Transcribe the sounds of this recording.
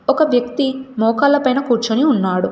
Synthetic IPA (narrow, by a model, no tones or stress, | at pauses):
ɔkɐʋjɐkt̪imɔːkɐlːɐpɐjnɐkuːɾt͡ʃuniunːaːɽu